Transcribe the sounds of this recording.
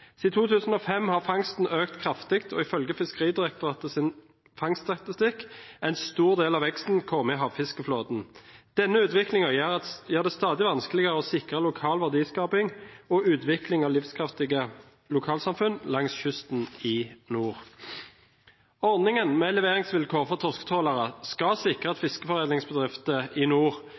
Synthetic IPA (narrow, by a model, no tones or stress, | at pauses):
t̪iːt̪ʰuːt̪ʰʉːsn̩ɔfɛmːhɑːʁfɑŋst̪n̩øːkt̪kʰʁɑft̪ɪkt̪ʰɔ̰ɪfœlɡəfɪskəʁiːd̪ɪʁɛk̚t̪ʊʁɑt̪əsɪn | fɑŋst̪ɑt̪ɪst̪ɪkːɛɪnst̪uːʁd̪eːlɑʋɛkst̪n̩kʰɔmɪɦɑːʋfɪskəfloːd̪n̩d̪̥ɛnːəʉːt̪ʋɪklɪŋəjæjæːʁd̪ɛst̪ɑːd̪ɪʋɑnskəlɪɡəʁəɔːsɪkʁəlʊkʰɑːlʋæʁd̪iːskɑːpɪŋɔʔʉːt̪ʰʋɪklɪŋɑːʋlɪfskʰʁɑft̪ɪɡə | lʊkʰɑːlsɑmfʉnlɑŋsçʏst̪n̩ɪnuːʁ | ɔʁd̪nɪŋənmɛlɛʋeːʁɪŋsʋɪlkʰoːʁfɔʁt̪ʰɔʁskə̥t̪ʰoːləʁəskɑsɪkʁəɑt̪fɪskəfɔʁeːd̪ɪŋsbəd̪ʁɪft̪əɪnuːʁ